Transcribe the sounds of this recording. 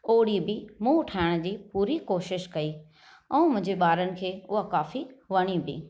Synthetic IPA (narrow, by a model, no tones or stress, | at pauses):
oːɽibɪmũːʊʈʰaːɪɽ̃d͡ʑiːpuːɾikoːʃɪʃkɐiː | ɛ̃ːmʊ̃ɦɪ̃ɲd͡ʑeɓaːɾənɪ̆kʰeːʊɦakaːfiʋɐɽ̃ibɪ̰ː